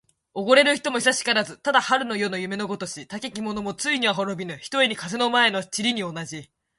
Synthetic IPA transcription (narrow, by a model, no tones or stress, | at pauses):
o̞ɡo̞ɾe̞ɾɯ̟çi̥t̪o̞mo̞çisaɕi̥kaɾazɨt̪ad̪ahaɾɯ̟no̞jo̞no̞jɯ̟me̞no̞ɡo̞t̪o̞ɕit̪ake̞kʲimo̞no̞mo̞t͡sɨiɲ̟iβaɦoɾo̞bʲinɯ̟çi̥t̪o̞eɲ̟ikaze̞no̞mae̞no̞t͡ɕiɾʲiɲ̟io̞naʑi